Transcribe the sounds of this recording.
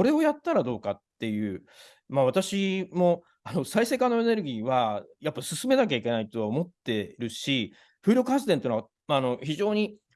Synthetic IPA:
oɾe̞o̞jat̪ːaɾad̪o̞ːkat̪ːe̞jɯ̟ː | maβ̞at̪aɕimo̞ | ano̞saise̞ːkãnːo̞ene̞ɾɯ̟ɡʲiːβajapːasɨsɨme̞nak̬ʲaikʲe̞nait̪o̞βaomo̞t̪ːe̞ɾɯ̟ɕi | ɸɯ̟ːɾʲok̟hasɨd̪ent̪einoβa | aːno̞çiʑo̞ːɲ̟i

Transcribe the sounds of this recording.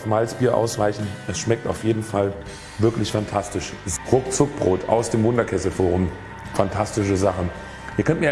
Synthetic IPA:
fmalt͡sb̥iːɐʔa̰ʊsv̥aɪçn̩ɛsʃmɛk̚ta̰ʊfjeːdn̩fal | vɪɐklɪçfantʰastɪʃʁʊkt͡sʊk̚b̥ʁoːtʰa̰ʊsd̥eːmvʊndɐkʰɛsl̩foːʁʊm | fantʰastɪʃəzaχn̩ | ʔiːɐkʰœnt̚miɐ

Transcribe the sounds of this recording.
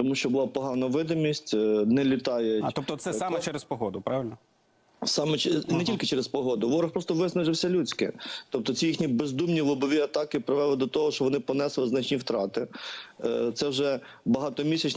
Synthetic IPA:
t̪ɔmuʃt͡ʃɔbʊlˠɑpɔɦɑnɐʋɪd̪ɪmʲisʲtʲnɛlʲɪt̪ɑjɛɔpt̪ɔsɛɑmɛt͡ʃɛɾespɔɦɔd̪ʊpɾɑʋɪlʲnɐ | sɑmɛt͡ʃɛnɛtʲilʲkɪt͡ʃɛɾespɔɦɔd̪ʊʋɔɾɐxpɾɔst̪ɔʋɪsnɐʒɪwsʲɐlʲut͡sʲkɪ̰t̪ɔp̚t̪ɔt͡sʲijixnʲibezd̪umnʲilˠɔbɔʋʲiɐt̪ɑkɪpɾɪʋɛlˠɪd̪ɔt̪ɔɦɔʃt͡ʃɔʋɔnɪpɔnɛslˠɪznɐt͡ʃnʲiwt̪ɾɑt̪ɪ | t̪sɛwʒɛ | bɐɦɑt̪ɔmʲisʲɐt͡ʃ

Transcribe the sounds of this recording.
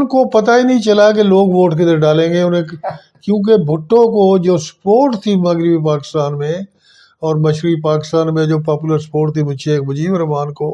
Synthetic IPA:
ʊnkopɐt̪ainɐɦĩt͡ʃɐlak̬eloːɡʋoːʈked̪əɾɖaːlẽːŋɡeːʊnẽ | kjũːk̬ebʱʊʈːõkod͡ʒoːspoːʈt̪ʰimɐɡɾɪbip̬aːkɪ̥st̪aːnmẽ | ɔːɾməʃɾipaːkɪst̪aːnmẽd͡ʒoːp̬aːpuləɾspoːɾʈt̪ʰimʊʃʰeːk̚bʊd͡ʒiːʋəɾmaːnkoː

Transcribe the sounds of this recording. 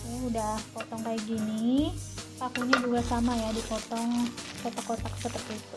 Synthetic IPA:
uːdahpɔt̪ɔŋkajak̚ɡini | pakuɲad͡ʒuɡasamajadipɔt̪ɔŋkot̪akːot̪aksət̪ət̪it̪u

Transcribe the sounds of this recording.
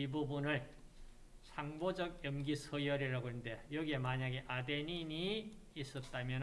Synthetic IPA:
ibubunɯɭ | sʰaŋbod͡ʑʌkjʌmɡisʰʌjʌɾiɾaɡoendejʌɡiemaɲaɡeʔadenini | is͈ʌt̚t͈amjʌn

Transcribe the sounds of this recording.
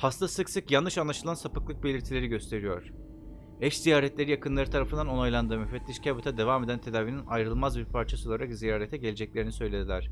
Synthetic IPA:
hast̪ʰasɯksɯkjanːɯʃanlˠaʃɯlˠansapɯklˠɯk̚be̞lʲiɾt̪ʰilʲe̞ɾiɟø̞st̪ʰe̞ɾijo̞ɾ̥ | ɛʃzijaːɾɛt̪lʲe̞ɾijakɯnlˠaɾɯt̪ʰaɾafɯnd̪ano̞nojlˠand̪ɯːmyfɛt̪ːʲiʃcʰabut̪ʰad̪e̞vaːme̞d̪ænt̪ʰe̞d̪aːvininajɾɯlˠmazbiɾpʰaɾt͡ʃʰasɯolˠaɾakzijaːɾet̪ʰɛɟelʲe̞d͡ʒɛclʲe̞ɾinisø̞jlʲe̞d̪ilʲæɾ̥

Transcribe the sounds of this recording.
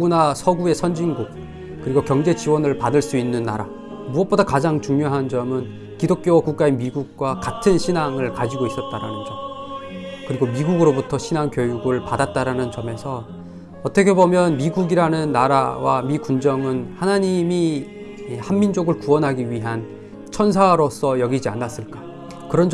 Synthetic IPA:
uɡunasʰʌɡue̞sʰʌnd͡ʑiŋɡuk̚ | k͈ɯɾiɡokjʌŋd͡ʑe̞t͡ɕiwʌnɯɭpadɯɭs͈uinːɯnːa̰ɾa̰ | muʌt̚p͈odakad͡ʑaŋt͡ɕuŋɲoɦand͡ʑʌmɯn | kidok̚k͈jokuk̚k͈ae̞miɡuk̚k͈wakatʰɯnɕʰinaŋɯɭkad͡ʑiɡois͈ʌt̚t͈aɾanɯnd͡ʑʌm | kɯɾiɡomiɡuɡɯɾobutʰʌɕʰinaŋkjojuɡɯɭpadat̚t͈aɾanɯnt͡ɕʌme̞sʰʌ | ʌt͈ʌkʰe̞bomjʌnmiɡuɡiɾanɯnːaɾa̰wamikund͡ʑʌŋɯnhanaɲimi | hammind͡ʑoɡɯɭkuwʌnɦaɡiɥiɦan | t͡ɕʰʌns̬ʰaɾosʰʌjʌɡid͡ʑia̰nːas͈ɯɭk͈a | kɯɾʌnd͡ʑ

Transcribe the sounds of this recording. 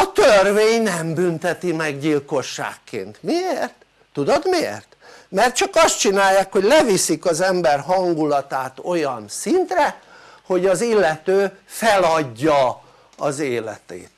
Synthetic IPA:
ɒt̪ørveːɲnɛmbynt̪ɛt̪imɛɡɟilko̞ʃːa̰ːkːḛːnt̪mieːrt̪ː | ud̪o̞d̪miḛːrt̪mɛrt̪̚t͡ʃɒkɒst̪̚t͡ʃinaːjːaːkho̞ɟlɛvisikɒzɛmbɛrɦɒŋɡulɒt̪aːt̪o̞jɒnsint̪rɛho̞ɟɒzilːɛt̪øːfɛlɒɟːɒ | ɒzeːlɛ̰t̪ḛːt̪

